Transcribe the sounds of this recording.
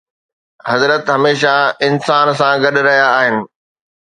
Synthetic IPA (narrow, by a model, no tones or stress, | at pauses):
ɦɐzɾət̪ɦɐmeːʃaɪnsaːns̬ãɡɐɗ̆ɾɐɦijaːɦɪnɪ̆